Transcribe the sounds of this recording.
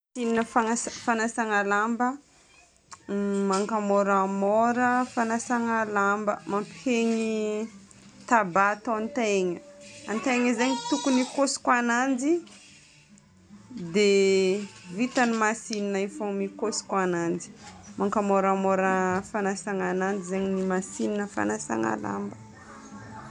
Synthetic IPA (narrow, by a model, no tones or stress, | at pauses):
sininəfaafanasaŋalambə | maŋkamɔɾamɔɾəfanasaŋalambə̰mampeɲi | t̪abat̪oant̪eɲəant̪eŋəzeɲit̪ukunikosi̥kwanand͡zi | d̪e | vit̪animasininaifomikosi̥kwanand͡ʒi̥maŋkamoɾamoɾəfanasaŋanand͡ʒizeɲinimasininəfa̰nasa̰ŋa̰la̰mbə